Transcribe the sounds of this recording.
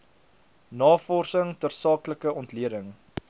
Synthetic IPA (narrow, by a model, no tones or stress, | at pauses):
nɑːfɔrsəŋtərsɑːkləkəɔntliədəŋ